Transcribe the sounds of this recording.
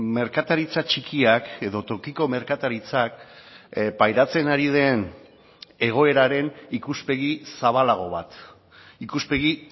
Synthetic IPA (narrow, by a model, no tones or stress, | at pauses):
me̞ɾkat̪aɾit͡sat͡ʃikiake̞ðo̞t̪o̞kiko̞me̞ɾkat̪aɾit͡sak̚ | pajɾat͡se̞naɾið̞e̞n | e̞ɣ̞o̞e̞ɾaɾe̞nikuspe̞ɣ̞isaβ̞alaɣ̞o̞β̞at̪ | ikuspe̞ɣi